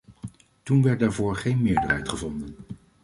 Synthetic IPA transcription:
tunʋɛɹt̚daːɹvʊːɹχejnmɪːɹdərɦɛjtχəvɔndən

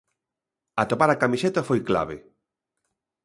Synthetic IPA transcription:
at̪opaɾakamiʃet̪afojkla̰βḛ

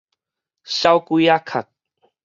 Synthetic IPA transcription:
sawkujakʰak̚

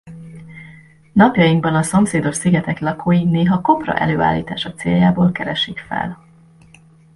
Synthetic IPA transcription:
nɒpjɒjiŋɡbɒnɒso̞mseːd̪o̞ʃsiɡɛt̪ɛklɒkʰoːjineːɦɒko̞prɒ̰ʔɛ̰løːa̰ːlːḭːt̪aːʃɒt̪seːljaːboːlkɛɾɛʃikfɛ̰l

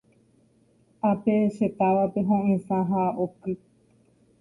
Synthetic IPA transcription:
apeʃe̞t̪aʋape̞ɦõʔẽsãɦaokɨ

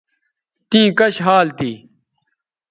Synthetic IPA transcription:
t̪ĩːkɐɕɦaːlt̪iː

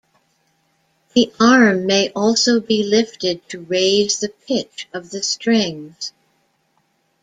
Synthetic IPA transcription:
ðiʔɑɹmːeɪʔɔlˠsoʊbilɪftɨd̚tʰɨɹeɪzðɨp̚ʰɪt͡ʃʌvðɨstɹ̥ɪ̃ŋz̥

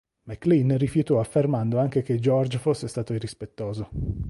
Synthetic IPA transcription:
mekːlinrifjut̪ɔafːermand̪oaŋk̟ek̟ed͡ʒɔrd͡ʒfosːest̪aːt̪oirːispet̪ːoːzo

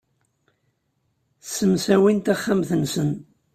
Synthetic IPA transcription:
səmsæwint̪aχːamθənsən

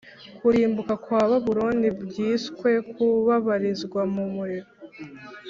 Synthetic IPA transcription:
kʰuɾiːmbukakwaːβaβuɾuːndibjiːskwe̞kuβaβaɾizɡwamumuɾiɾo

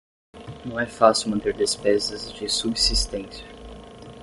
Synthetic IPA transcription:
nɐ̃w̃ɛfasiwmɐ̃nt̪eɾd̪espezɐzd͡ʒɪsubsist̪ẽsjɐ

